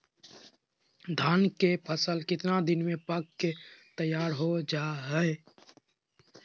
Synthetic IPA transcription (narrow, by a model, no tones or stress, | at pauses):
d̪ʱaːnkepʰəsəlkɪt̪nad̪ɪnmẽpakːket̪əjaːɾɦod͡ʒaːɦɛe